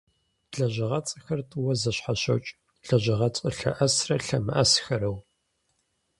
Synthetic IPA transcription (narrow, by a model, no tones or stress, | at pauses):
ɮɐʑɐʁɐt͡sʼɐxɐrtʼɨwɐzɐɕħaɕɐ̰wt͡ʃʼ | ɮɐʑɐʁɐt͡sʼəɬɐ̰ʔɐsrɐɬɐmɨ̰ʔɐsxɐɾɐw